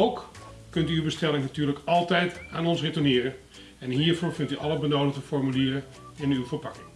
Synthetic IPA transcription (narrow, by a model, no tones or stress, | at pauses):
owk | kɵntyːwbəstɛlɪŋnatyːɹləkɑlˠtɛjtaːnɔnsretənɪːrə | ɛnɦiːɹvʊɹvɪntyʔɑlˠəbənowdəɣdəfɔɹmyliːrə | ɪnywvəɹpɑkɪŋ